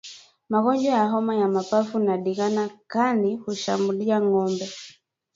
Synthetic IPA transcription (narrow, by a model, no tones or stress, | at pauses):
maɣɔɲd͡ʒɔjaɦɔmajamapafunaɗiɣanakanihuʃa̰mbuɗiaŋɔmbɛ